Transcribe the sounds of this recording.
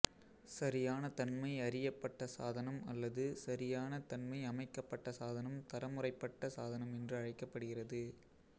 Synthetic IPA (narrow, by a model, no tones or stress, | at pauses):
sɐɾɪjaːnɐt̪ɐnmɐɪɐɾɪjɐpːɐʈːɐsaːðɐnɐmɐ̰lːɐðɯsɐɾɪjaːnɐt̪ɐnmɐɪɐmɐɪkːɐpːɐʈːɐsaːðɐnɐmt̪ɐɾɐmɯrɐɪpːɐʈːɐsaːðɐnɐmɛndrɯɐɻɐɪkːɐpːɐɽɯɣɪrɐðɯ